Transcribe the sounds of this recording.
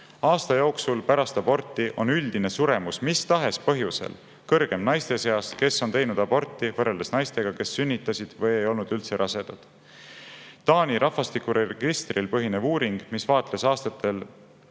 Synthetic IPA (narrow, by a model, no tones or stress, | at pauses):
ɑːst̪ɑjo̞ːksulpæɾɑst̪ɑb̥o̞rt̪ːˑiʔo̞nyld̪̥ine̞suɾe̞musmist̪ɑɦe̞spɤ̞ɦjuse̞̰l | kɤrɡ̥e̞mnɑjst̪e̞se̞ɑske̞sːo̞nt̪e̞jnud̪̥ɑbo̞rt̪ːˑivɤreld̪esnɑjst̪e̞ɡ̥ɑke̞sːynʲːit̪ːˑɑsid̪̥vɤje̞jo̞lnud̪ylt̪se̞ɾʔɑse̞d̪̥ɑd̪̥ | t̪ɑːnʲiɾʔɑfɑst̪ikːuɾeɡ̥ist̪rilpɤɦinevuːɾiŋɡ̥misvɑːt̪ˑlesɑːst̪ɑt̪ːˑe̞l